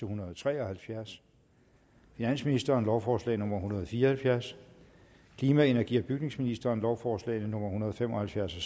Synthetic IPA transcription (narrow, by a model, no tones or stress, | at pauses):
əhunɐð̩ˠɒt͡sʰʁɛ̰ːɒhælfjæɐs | finæn̰sminisd̥ɐːnlɒʊfɒːslɛ̰ːɪnɔ̽m̰ɐɦunɐð̞̩ˠfiːɐhælfjæɐs | kʰliːmæe̝næɐɡ̥ḭɐb̥yɡ̥ne̝ŋsminisd̥ɐːnlɒʊfɒːslɛ̰ɪnənɔ̽m̰ɐɦunɐð̞̩ˠfemɒhælfjæɐsɒ